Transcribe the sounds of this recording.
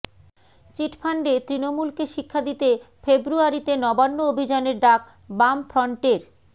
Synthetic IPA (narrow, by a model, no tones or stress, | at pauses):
t͡ɕiʈpʰaɳɖet̪ɾinomulkeʃikʰːad̪it̪e | febɾuaɾit̪enɔbanːoobʱid͡ʑaneɾɖak̚ | bamfɾɔɳʈeɾ